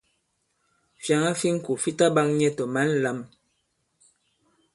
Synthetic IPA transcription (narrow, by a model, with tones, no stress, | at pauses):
fja˨ŋa˦fi˦ŋ̩˦ku˨fi˦ta˦ba˦ŋɲɛ˦tɔ˨ma˨˦n̩˨la˨˦m